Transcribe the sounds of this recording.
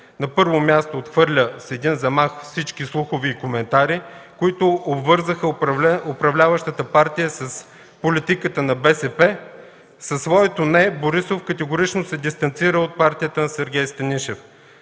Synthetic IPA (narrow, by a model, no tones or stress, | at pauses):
nɐpɤɾvomʲjast̪oːt̪xvɤɾlʲəsɛd̪inzɐmaxfsit͡ʃk̟islˠuxovɛːkomɛnt̪aɾikoit̪ʊːbvəɾzəxəopɾɐvlʲavəʃt̪ət̪əpaɾt̪ijəsɐs | polit̪ikət̪ənɐbɛsɛpɛ | sɐsːvɔɛt̪onɛboɾisofkət̪ɛɡʊɾit͡ʃnosɛd̪ist̪ɐnt̪siɾəot̪̚paɾt̪ʲijət̪əsɛɾɡʲɛjst̪ɐniʃɛf